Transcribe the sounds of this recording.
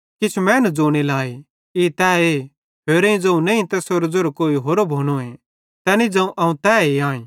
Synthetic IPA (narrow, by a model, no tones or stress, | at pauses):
kɪt͡ʃʰumɛ̃ːnd͡zoːɽ̃elaːe | eːt̪ɛːe | ɦeːɾẽĩd͡zɐ̃ũnɐĩt̪ɛsoɾd͡zoɾokoːiɦoːɾobʱoːñoẽ | t̪ɛːnĩd͡zɐ̃ũʔɐũt̪ɛːeãːĩː